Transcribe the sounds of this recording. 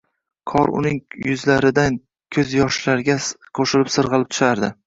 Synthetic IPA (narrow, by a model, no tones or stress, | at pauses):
kʰɒɾʊ̰nɪŋjʊzlaɾɪd̪an | kʲʰɵzjɒʃlaɾɡʲaqʰoʃɪlɪpsɨɾʁɨlˠɪp̚t̪ʰʊ̥ʃaɾd̪ɪ